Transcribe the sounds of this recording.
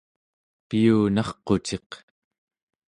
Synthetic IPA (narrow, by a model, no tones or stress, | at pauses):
piuːnɑχqo̞t͡ʃe̞q